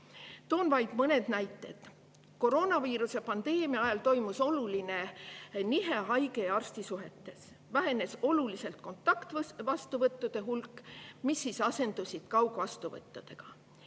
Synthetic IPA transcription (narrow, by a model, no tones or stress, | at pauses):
t̪oːnvɑjd̪mɤne̞d̪̥næjt̪ːˑe̞d̪̥ | ko̞ɾo̞ːnɑviːɾuse̞pɑnd̪e̞ːmiɑɑjɑlt̪o̞jmuso̞luline̞niɦe̞ɦɑjɡe̞jɑrst̪isuɦe̞t̪ːe̞s | væɦe̞ne̞so̞lulise̞lt̪̚ko̞nt̪ˑːɑkt̪vɑst̪uvɤt̪ːˑud̪̥e̞ɦulkːˑmisːisɑse̞nd̪̥usʲid̪̥̚kɑwɡ̥uvɑst̪uvɤ̰t̪ːˑud̪̥e̞ɡ̥ɑ